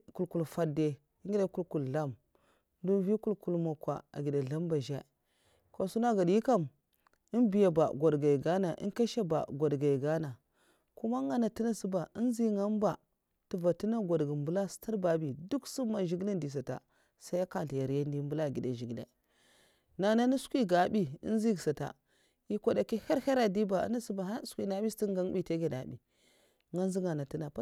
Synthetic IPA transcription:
ku˨lku˨lfa˦de˨˦ | ŋ˦ɡi˦da˦ku˦lku˨lɬa˦˨m | n˦du˦vi˦ku˦lku˦lmo˨kwa̰˨a̰˨ɡi˨da˨ɮa˦mba˨ʒa˦ | ko˨su˦na˦ɡa˨di˦ka˦˨m | i˦nbi˨ja˨ba̰˨ɡʷa˨dɡa˨i˨ɡa˦na˨ʔḭ˦nka˦ʃa˦ba̰˨ɡʷa˨dɡa˨i˨ɡa˦na˨ | ku˦ma˦ŋa˦na˨ti˦na˦si˦ba˨i˦n˦zi˦ŋa˦m˦ba˨ | tu˨va˨ti˦na˦ɡʷo˨dɡi˨mbu˦la˦sta˦ɾba˨bi˨du˦ksu˦ma˨ʒi˦ɡle˦ndi˨s̬a˨ta̰˨ | sa˦a˦ka˨ɬja˨ɾja˦n˦di˦mbu˦la˦˨ɡi˨de˨ʒi˨ɡlḛ˨ | na˨na˦ni˦skʷi˦ɡa˨bi˦ḭ˦n˦zi˦ɡsa˨ta̰˨ | i˦kʷa˨da˨ki˦ha˦ɾha˦ɾa˨di˦ba̰˨˦na˦si˦ba˨ɦa˦skʷi˦na˨bi˦sti˦ŋɡa˦ŋ˦bi˦te˦ɡe˨na̰˨bḭ˨˦ | ŋa˦n˦zi˦ŋɡa˨na˨ti˦na˨˦

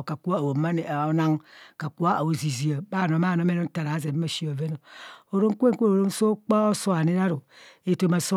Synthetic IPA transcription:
ka˨ku˦a˦˨wo˨˦a˦ne˨o˨˦na˦ŋka˨ku˦a˦a˨wo˨zi˨zi˨a˨ba˦˨n˨o˨˦a˦˨no˨˦me˦no˦n˦ta˨ɾa˨˦ze˨˦a˦ʃi˦o˨ve˦no˨o˨ɾo˦ŋ˦kʷe˦ŋkʷe˦˨o˨ɾo˦n˦so˦k͡pa˦o˦so˦a˨ne˦ɾa˦ɾo˨e˦to˦ma˨so˦

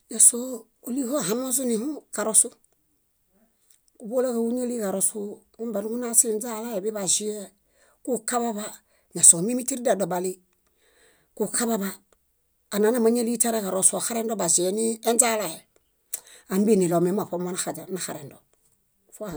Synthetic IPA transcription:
ɲa˨so˦ | o˨li˦ho˦˨ɦa˨˦no˦z̬u˦ni˨hu˦ka˨ɾo˦su˦ | ku˨bo˦la˦ka˨wu˦ɲa˦li˦ka˨ɾo˨su˦ | u˦ba˨n˦ku˦na˦si˦nza˦la˦je˨bi˦ba˨zi˦e˦ | ku˦ka˦ba˦ba˦ | ɲa˨so˨mi˦mi˦ti˦ɾi˦da˨do˨ba˨li˦ | ku˨kʰa˦ba˦baː˦˨ | na˨˦na˨ma˦ɲe˦li˦ta˦ɾe˦ka˨ɾo˨su˨a˨xa˦ɾe˦ndo˦ba˨zi˨e˨˦ni˦e˦nza˦la˨je˨ | a˨mbi˦ni˨lo˨me˨˦ma˨po˦ma˦na˨xa˨d͡ʒa˨na˨xa˨ɾe˨ndo˨ | fu˦a˨

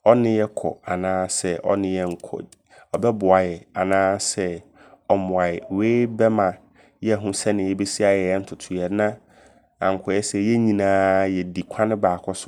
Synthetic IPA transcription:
ɔ˦nɪ̃˦jɛ˦kʰɔ̰˨a˨nãː˦sɛ˦ʔɔ̰˦nɪ̃˦jɛ˦ŋ̩˨kʰɔ̰˨ɔ˨bɛ˦bʊ˨a˨jɛ˨a˨nãː˦sɛ˦ | ɔ˨mʊ̃˨a˨ɪ˨weː˦bɛ˦mã˨ | jɛ˦˨ɦʊ̃˦sɛ˦nɪ̃˨jɛ˦be˦si˦a˨jɛ˨jɛ˦n̩˦tʰʊ˨tʰʊ˨jɛ˨˦nã˦ | ã̰˨ŋ̩˨kʰɔ˨jɛ˦sɛ˦jɛ˦ɲĩ˨nãː˦jɛ˨di˨kʷʰã˦nɪ̃˦baː˨kʰɔ˦sʊ˦

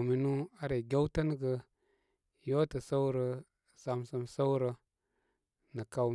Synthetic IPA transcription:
mi˨nu˦a˦ɾe˨ɡʲa˦wtə˦n˦ɡə˨ | jo˦tə˨sə˦wɾə˨ | sa˨msə˦msə˦wɾə˨ | nə˨ka˨

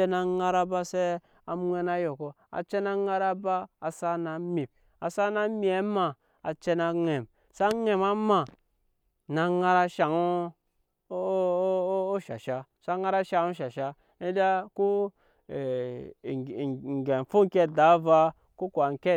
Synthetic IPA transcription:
e˦na˨ŋa˦ɾa˦ba˦se˦ | a˨m˦ŋʷe˦na˦jo˨ko˨ | a̰˨t͡ʃe˦na˦ŋa˦ɾa˦ba˦a˨sa˦na˨mi˨p̚ | a˨sa˦na˦mi˨e˦ma˨ | a˨t͡ʃe˦na˧ŋe˨m | sa˦ŋe˨ma˦ma˨ | na˨ŋa˦ɾa˦ʃa˨ŋo˦ | ʃa˨ʃa˦sa˦ŋa˦ɾa˦ʃa˨ŋu˦ʃa˨ʃa˦ | i˦da˦ku˦˨ | ŋ˨ɡe˨n˨fu˦ŋ˦kʲe˦da˨˦va˦ | ku˦kʷa˨ŋ˨ke˦

